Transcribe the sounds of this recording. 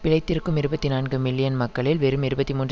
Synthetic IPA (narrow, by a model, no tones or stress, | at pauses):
pɪɻɐɪt̪ːɪɾɯkːɯmɪɾɯbɐt̪ːinaːnɡɯmɪlːɪjɐnmɐkːɐɭɪlʋɛɾɯmɪɾɯbɐt̪ːimuːnr